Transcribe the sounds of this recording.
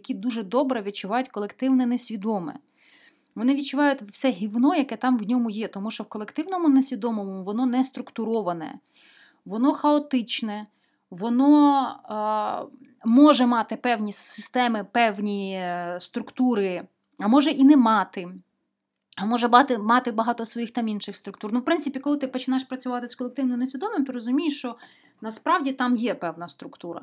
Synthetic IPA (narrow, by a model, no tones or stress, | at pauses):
ɐkʲid̪uʒɛd̪ɔbɾɛʋʲid̪̚t͡ʃʊʋɑjʊtʲkɔlˠekt̪ɪwnɛnɛsʲʋʲid̪ɔmɛ̰ | ʋɔnɪʋʲid̚t͡ʃʊʋɑjʊtʲwsɛɦʲiwnɔjɐkɛt̪ɑmwnʲɔmʊjɛt̪ɔmuʃt͡ʃɔwkɔlˠekt̪ɪwnɔmʊnɛsʲʋʲid̪ɔmɔmɔʋɔnɔnɛst̪ɾʊkt̪ʊɾɔʋɐnɛ̰ | ʋɔnɔxɐɔt̪ɪt͡ʃnɛ | ʋɔnɔ | mɔʒɛmɑt̪ɪpɛwnʲisɪst̪ɛmɪpɛwnʲist̪ɾʊkt̪uɾɪ | ɐmɔʒɛʔinɛmɑt̪ɪ | ɐmɔʒɛbɑt̪ɪmɑt̪ɪbɐɦɑt̪ɔsʋɔjixt̪ɑminʃɪxst̪ɾʊkt̪urnuwpɾɪntsɪpʲijɐkɔlˠɪt̪ɪpɔt͡ʃɪnajʃpɾɐt͡sʲʊʋɑt̪ɪskɔlˠek̚t̪ɪwnɔjʊnesʲʋʲid̪ɔmɪmt̪ɔɾɔzʊmʲijɪʃt͡ʃɔ | nɐspɾɑwdʲit̪ɑmjɛpɛwnɐst̪ɾʊkt̪uɾɐ̰